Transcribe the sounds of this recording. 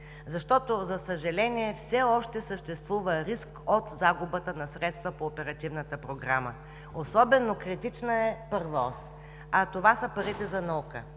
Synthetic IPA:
zɐʃt̪ɔt̪ozɐsəʒɐlɛniɛfsɛɔʃt̪ɛsəʃt̪ɛst̪vuvəɾiskot̪zaɡʊbət̪ənɐsɾɛt̪st̪vəpoːpɛɾɐt̪ivnət̪əpɾoɡɾamə | osɔbɛnokɾit̪it͡ʃnəɛpəɾvɔs | ɐt̪ovasəpɐɾit̪ɛzɐnɐukə

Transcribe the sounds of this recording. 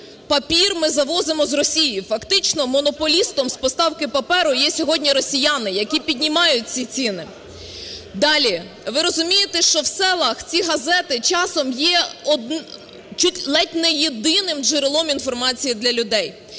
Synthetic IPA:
pɐpʲirmɪzɐʋɔzemɔzrɔsʲijifɐkt̪ɪt͡ʃnɔmɔnɔpɔlʲist̪ɔmspɔst̪ɑwkɪpɐpɛɾʊjɛsʲɔɦɔdʲnʲiɾɔsʲijɑnɪjɐkʲipʲid̪ʲnʲimɑjʊt̚ʲt͡sʲit͡sʲinɪ | d̪ɑlʲi | ʋɪɾɔzʊmʲijet̪ɛʃt͡ʃɔwsɛlˠɐxt͡sʲiɦɐzɛt̪ɪt͡ʃɑsɔmjɛɔd̪ | t͡ʃut̪ʲlˠɛtʲnɛjed̪ɪnɪmd͡ʒɪɾɪlˠɔminfɔrmɑt͡sʲijid̪lʲɐlʲʊd̪ɛj

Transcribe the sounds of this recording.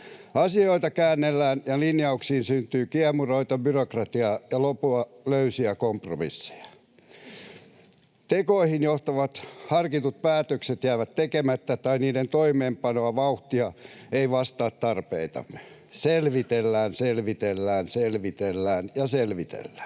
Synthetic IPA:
ɑsioit̪ɑkæːnːelːæːnjɑlinjɑuksiːnsynt̪yːkiɑmuroit̪ɑbyrokrɑt̪iɑjɑlopuɑløysiækompro̰mḭsːe̥jɑ̥ | t̪ekoihinjoht̪ɑʋɑt̪hɑrkit̪ut̪̚pæːt̪økset̪jæːʋæt̪t̪ekemæt̪ːæt̪ɑiniːdent̪oimeːmpɑnoɑʋɑuht̪iɑeiʋɑst̪ɑːt̪t̪ɑrpḛit̪ɑ̰m | selʋit̪elːæːnselʋit̪elːæːnselʋit̪elːæːnjɑselʋit̪ḛlːæ̥ː

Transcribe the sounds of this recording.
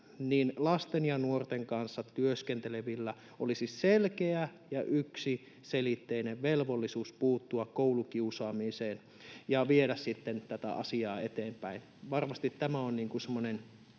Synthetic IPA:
niːnlɑst̪enjɑnuort̪eŋkɑnsːɑt̪yøskent̪eleʋilːæ | ʔolisisselkeæ | jɑʔyksi | selit̪ːeineʋʋelʋolːisuːspuːt̪ːuɑkkoulukiusɑːmiseːn | jɑʋieɾæssit̪ːent̪æt̪æ̰ɑ̰siɑːet̪eːmpæin | ʋɑrmɑst̪it̪tæmæonniːŋkusemːonen

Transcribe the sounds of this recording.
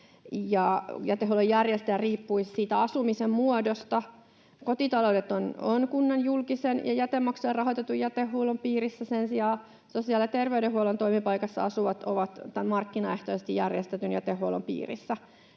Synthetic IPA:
jɑjæt̪ehɦuolojærjest̪ææriːpːuissiːt̪æɑsumisemmuodost̪ɑ | kot̪it̪ɑloudet̪ononkunːɑnjulkisenjɑ̰jæt̪emːɑkselrrɑɦot̪et̪ujjæt̪ehːuolompiːɾisːæsensiɑː | sosiɑːlet̪erʋeyɾehhuolont̪oimipɑikɑsːɑ̰ɑsuʋɑt̪o̰ʋɑt̪t̪æmɑrkːinɑeht̪oisest̪ijjærjest̪et̪ynjæt̪ehɦuolo̰mpḭːrḭsːæ

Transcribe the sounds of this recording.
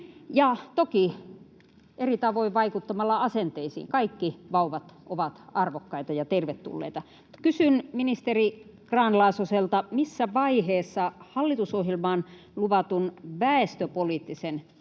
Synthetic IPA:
jɑt̪oki | ʔerit̪ɑʋoiʋʋɑikut̪ːɑmɑlːɑɑsent̪eisḭːŋkɑikːiʋɑuʋɑt̪ʔoʋɑt̪ɑrʋokːɑit̪ɑjɑt̪erʋet̪ːṵlːḛit̪ɑ | kysynminist̪erikrɑːnlɑːsoselt̪ɑmisːæʋɑiheːsːɑhɑlːit̪usohjelmɑːn | luʋɑt̪unʋæest̪øpoliːt̪ːisen

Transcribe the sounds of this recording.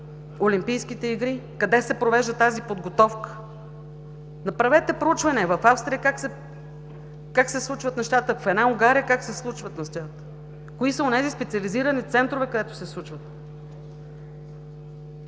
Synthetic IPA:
olimpijsk̟it̪ɛiɡɾikɐd̪ɛsɛpɾovɛʒd̪ət̪azipod̪ɡot̪ɔfkə̥ | nɐpɾɐvɛt̪ɛpɾout͡ʃvɐniəvɐfafst̪ɾʲijəkaksɛ | kaksɛslˠut͡ʃvət̪nɛʃt̪at̪əfɛd̪nauɡaɾiəkaksɛslˠut͡ʃvət̪nɐst̪ɛt̪ | koisəonɛzispɛt̪sʲiɐliziɾənit̪sɛnt̪ɾovɛkɐd̪ɛt̪ʊ̥sɛslˠut͡ʃvət̪̚

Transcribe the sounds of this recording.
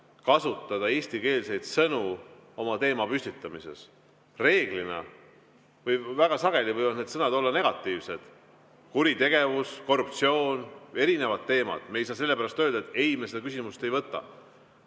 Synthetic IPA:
kɑsut̪ːˑɑd̪̥ɑe̞ːst̪ike̞ːlse̞jd̪̥sɤnuo̞mɑt̪e̞ːmɑpysʲt̪it̪ːˑɑmise̞̰s | re̞ːɡ̥linɑ̰ | vɤjvæɡ̥ɑsɑɡ̥e̞livɤjvɑd̪ne̞d̪sɤnɑd̪olːɑne̞ɡ̥ɑt̪ːˑiːvse̞d̪̥ | kuɾit̪e̞ɡ̥e̞vusko̞rup̚t̪sio̞ːne̞ɾine̞vɑd̪̚t̪ːe̞ːmɑ̰d̪̥me̞jsɑːse̞lːepæɾɑst̪øːld̪ɑet̪ːˑejimesed̪ɑkysimust̪e̞jvɤt̪ːˑɑ̰

